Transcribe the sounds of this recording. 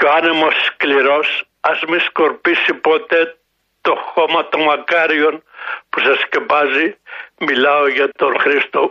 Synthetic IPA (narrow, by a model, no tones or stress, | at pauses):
joanemoskliɾos | asmiskoɾpisipot̪e | t̪oχomat̪omakaɾjonpusaskepazimilaojet̪onχɾist̪o